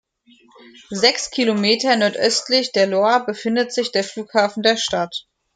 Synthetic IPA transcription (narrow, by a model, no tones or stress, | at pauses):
zɛkskʰilomeːtɐnɔɐtʔœstlɪçd̥eːɐloɐbəfɪndətz̥ɪçd̥eːɐfluːkhaːfn̩deːɐʃtat